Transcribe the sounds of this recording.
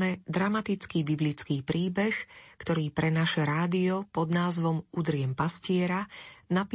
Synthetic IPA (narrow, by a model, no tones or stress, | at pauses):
mɛd̪ɾamat̪it͡skiːbiblit͡skiːpɾiːbɛxkt̪ɔɾiːpɾɛnaʃɛɾaːd̪iɔpɔd̪naːzʋɔmud̪ɾɪɛmpascɪɛɾanap